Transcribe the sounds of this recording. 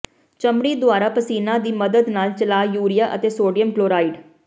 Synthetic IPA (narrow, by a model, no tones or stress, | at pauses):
t͡ʃəmɽiːd̪ʊaːɾaːpəsiːnãːd̪iːməd̪əd̪naːlt͡ʃəlaːjuːɾɪjaːʔət̪eːsoːɖijəmkloːɾaːiːɖ